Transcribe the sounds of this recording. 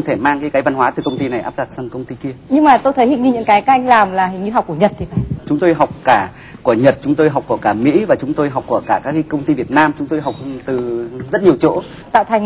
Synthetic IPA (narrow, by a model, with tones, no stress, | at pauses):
ŋ͡mt̪ʰe˧˩maː˧ŋkaː˨˦jkaː˨˦jva˧nwaː˨˦t̪ɨ˨˩kə˧wŋ͡mt̪i˧na˨˩jʔaː˦˥p̚zaː˨˧˩k̚sə˧nkə˧wŋ͡mt̪i˧ki˧əɲɨ˧ŋmaː˨˩t̪o˧jt̪ʰə˨˦hi˨˧˩ŋɲɨ˧ɲɨ̰˧˥ŋkaː˨˦jkaː˨˧˦ʔa˧jŋ̟laː˨˩mlaː˨˩ɦi˨˩ŋɲɨ˧ɦa˨˩wk͡p̚ku˧˩əɲə˨˩t̚t̪i˨˧˦va̰˧˩˨t͡ɕʊ˨˦ŋ͡mt̪o˧jɦa˨˩wk͡p̚kaː˧˩ | ku˧˩əɲə˨˩t̚t͡ɕʊ˨˦ŋ͡mt̪o˧jɦa˨˩k͡pku˧˩əkaː˧˩mḭ˧˥vaː˨˩t͡ɕʊ˨˦ŋ͡mt̪o˧jɦa˨˩wk͡p̚ku˧˩əkaː˧˩kaː˦˥kːaː˨˦kə˧wŋ͡mt̪i˧vi˨˩ət̚naː˧mt͡ɕʊ˨˦ŋ͡mt̪o˧jɦa˨˩wk͡p̚t̪ɨ˨˩zə˦˥t̚ɲi˨˩əwt͡ɕo̰˧˥ | t̪a̰ː˧˨wt̪ʰa˨˩ŋ